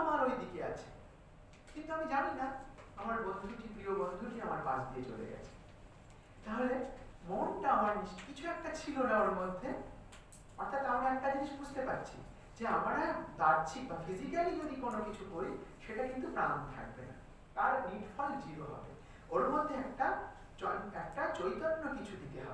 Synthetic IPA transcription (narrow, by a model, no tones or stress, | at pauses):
amaɾojd̪ikea̰t͡ɕʰe̥ | kint̪uamid͡ʑaninaamaɾbond̪ʱuʈipɾiobond̪ʱuʈiamaɾpad͡ʑd̪iet͡ɕo̰lḛɡɛ̰t͡ɕʰe̥ | t̪aɦolemonʈaamaɾniʃkit͡ɕʰuɛk̚ʈat͡ɕʰilonaoɾmod̪ʱːe | ɔɾt̪ʰat̪amɾaɛk̚ʈad͡ʑiniʃbud͡ʑt̪epatːɕʰḭ | d͡ʑeamaɾad̪aɾt͡ɕʰik̚bafizikalid͡ʑod̪ikonokit͡ɕʰukoɾiʃeʈakint̪̬upɾant̪ʰa̰k̚bena̰ | k̪aɾniʈfɔld͡ʑiɾoɦɔ̰bḛ | oɾmod̪ʱːeɛkʈa | ɔɛkʈat͡ɕojt̪oʈːokit͡ɕʰud̪ʱit̪eɦɔ̰be